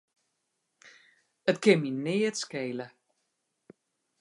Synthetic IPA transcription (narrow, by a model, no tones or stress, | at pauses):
ətkɪminɪːətskejlə